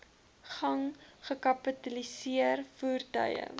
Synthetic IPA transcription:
χɐŋχəkɐpətɐlisiərfuːrtœ̰jə̰

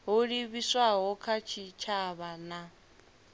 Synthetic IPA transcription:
ɦuɺiβiswaɦɔkʰat͡ʃʰit͡ʃʰaβana

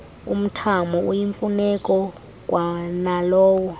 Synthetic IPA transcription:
um̩tʰamɔujiɱfunɛkʼɔ | k̬ʼwanalɔːwɔ

